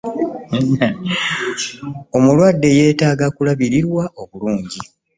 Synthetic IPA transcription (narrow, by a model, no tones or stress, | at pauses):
o̞mulwadːe̞je̞ːtaːɡakulaβiɾiɾwaʔo̞βuluːɲɟi